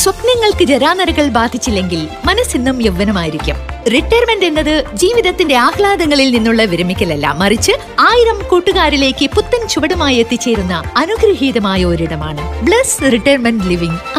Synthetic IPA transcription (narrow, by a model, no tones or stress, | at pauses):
swɐp̪nɐŋːɐɭkɨɾɐɾaːnɐɾɐɣɐɭbaːd̪ʱːit͡ɕːilːe̞ŋɡilmɐnɐsinːumeʋːɐnɐmaːjiɾikʲːumriʈːɐːrmenɖe̞nːɐðɨd͡ʑiːʋiðɐt̪ːinde̞aːhlaːd̪ɐŋːɐɭilninːuɭːɐʋiɾɐmikʲːɐlɐlːɐ̰mːɐrit͡ɕːɨ | aːjiɾɐmkuːʈːuɣaːɾile̞ːkːɨput̪ːɐnt͡ɕuʋɐɽɐmaːjet̪ːit͡ɕːe̞ːɾunːɐɐnuɡɾɐɦiːðɐmaːjɐo̞ɾiɽɐma̰ːɳɨbɭɐsriʈːɐjrmɐnɖliʋiŋ